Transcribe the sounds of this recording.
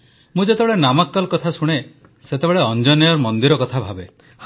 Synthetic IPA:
mũd͡ʒet̪ebeɭenamakːɔlkɔt̪ʰasuɽ̃e | set̪ebeɭeɔnd͡ʒɔnijɔɾmɔnd̪iɾɔkɔt̪ʰabʱabe

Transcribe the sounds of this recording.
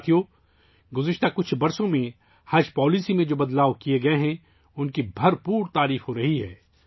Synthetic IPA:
t̪ʰio | ɡʊzɪʃt̪akʊt͡ʃʰbɐɾsõmẽ | hɐd͡ʒpɔːliːsimẽd͡ʒoːbɐd̪laːʋkieɡɐeɦɛ̃ | ʊnkibʱɐɾpuːɾt̪aːɾiːfɦoɾɐɦiɦɛ̰ː

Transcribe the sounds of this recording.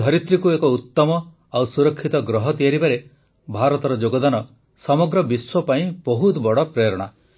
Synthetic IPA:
d̪ʱɔɾit̪ɾikuekɔut̪ːɔmɔ | awsuɾɔkʰːit̪ɔɡɾɔɦɔt̪ijaɾibaɾe | bʱaɾɔt̪ɔɾɔd͡ʒoɡɔd̪anɔ | sɔmɔɡɾɔbiswɔpaĩbɔɦut̪bɔɽɔpɾeɾɔɽ̃a

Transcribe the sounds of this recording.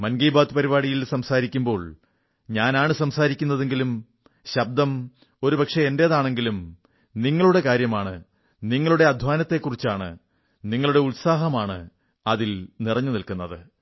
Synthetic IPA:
mɐnɡijbaːt̪ɨpɐɾiβaːɽijilsɐmsaːɾikʲːumbo̞ːɭ | ɲaːnaːɳɨsɐmsaːɾikʲːunːɐðe̞ŋɡilum | ɕɐb̚d̪ɐm | o̞ɾubɐkʂeende̞ːðaːɳe̞ŋɡilum | niŋːɐɭuɽe̞kaːɾjɐmaːɳɨ | niŋːɐɭuɽe̞ɐd̪ʱʋaːnɐt̪ːe̞kːurit͡ɕːaːɳɨ̰ | niŋːɐɭuɽe̞ulsaːɦɐmaːɳɨ̰ | ɐðilnirɐɲːunilkunːɐðɨ

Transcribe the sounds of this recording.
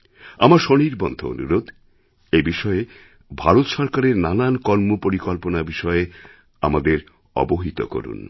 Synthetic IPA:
amaɾʃoniɾbɔnd̪ʱo̰o̰nṵɾod̪ | ebiʃɔe | bʱaɾot̪ʃɔɾkaɾeɾnanankɔɾmopoɾikolponabiʃɔe | a̰mad̪eɾ | ɔ̰boɦit̪o̰ko̰ɾṵn

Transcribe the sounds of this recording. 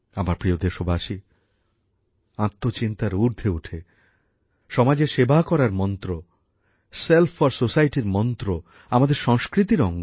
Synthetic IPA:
amaɾpɾiod̪eʃobʱaʃi | ãt̪ːot͡ɕint̪aɾuɾd̪ʱeuʈʰe | ʃɔmad͡ʑeɾʃebakɔɾaɾmɔnt̪ɾo | selfʰaɾsosajʈiɾmɔnt̪ɾo | amad̪eɾʃɔŋskɾit̪̬iɾɔŋɡo

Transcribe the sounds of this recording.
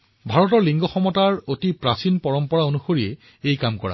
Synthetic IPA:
bʱaɹɔtɔɹliŋɡɔxɔmɔtaɹotipɹasinpɔɹɔmpɔɹaonuxoɹiɛ | ejkamkɔ̰ɹa̰

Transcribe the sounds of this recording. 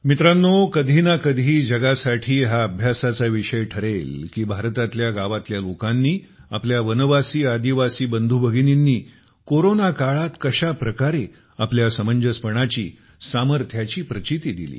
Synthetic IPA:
mit̪ɾanːokəd̪ʱinakəd̪ʱiːd͡ʑəɡasaʈʰiːɦaəbʱjasat͡saʋiɕəjʈʰəɾelkiːbʱaɾt̪at̪ljaɡaʋat̪ljalokãnːiːapljaʋənəʋasiːad̪iʋasiːbənd̪ʱubʱəɡininːiː | koɾonakaɭat̪kəɕapɾəkaɾe | apljasəməɲd͡ʑəspəɳ̃at͡ɕḭː | saməɾt̪ʰjat͡ɕiːpɾət͡ɕit̪iːd̪ḭlḭː

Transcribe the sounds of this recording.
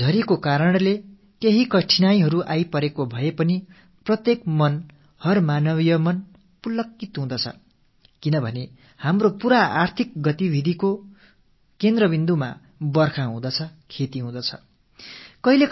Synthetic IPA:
d͡zʱʌɾikokaɾʌɳle | keɦikʌʈʰinajɦʌɾuʔajpʌɾekobʱʌepʌni | prʌt̪jekmʌn | hʌrmanʌβijʌmʌn | pulʌkːit̪ɦũd̪ʌt͡sʰʌ̰ | kinʌbʱʌne | hamropuɾaart̪ʰik̚ɡʌt̪ibʱid̪ʱiko | kend̪rʌbind̪uma̰ | bʌrkʰaɦũd̪ʌt͡sʰʌkʰet̪iɦũd̪ʌt͡sʰʌ̥̰ | kʌɦile

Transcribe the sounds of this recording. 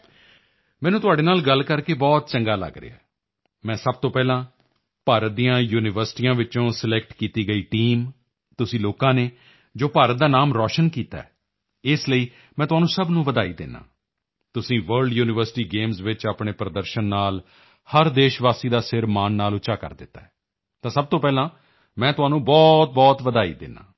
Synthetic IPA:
mɛ̃ːnũːt̪ʊaːɖeːnaːlɡəlkəɾkeːbɔːt̪̚t͡ʃəŋɡaːlə̰ɡɾḛaː | mɛ̃ːsəb̚t̪õːpɛːlãː | paːɾət̪̚d̪iːjãːjuːnɪʋəɾsʈiːjãːʋɪt͡ʃõːsəlɛk̚ʈkiːt̪iːɡəiːʈiːm | t̪ʊsĩːloːkãːneː | d͡ʒoːpaːɾət̪̚d̪aːnaːmɾɔːʃənkiːt̪a̰ːɛ̰ː | ɪsləiː | mɛ̃ːt̪ʊɦaːnũːsəbnũːʋəd̪aːiːd̪ɪ̰nːa̰ː | t̪ʊsĩːʋəɾɖjuːnɪʋəɾsɪ̥ʈiːɡeːmzʋɪt͡ʃaːpɳeːpɾəd̪əɾʃənːaːl | həɾd̪eːʃʋaːsiːd̪aːsɪɾmaːnːaːlʊt͡ʃaːkə̰ɾd̪ɪt̪ːaːɛː | t̪ãːsəb̚t̪õːpɛːlãː | mɛ̃ːt̪ʊaːnũːbɔːt̪̚bɔːt̪ʋəd̪aːḭːd̪ɪ̰na̰ː

